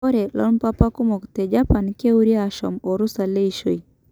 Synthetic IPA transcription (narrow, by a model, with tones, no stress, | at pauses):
ɔ˦ɾe˨lɔ̰˦npa˦pa˦ku˦mɔ˨kte˨d͡ʒapa˨nke˦uɾiaʃɔ̰˨mɔ˨ɾu˦sa˨le˦i˨ʃo˨i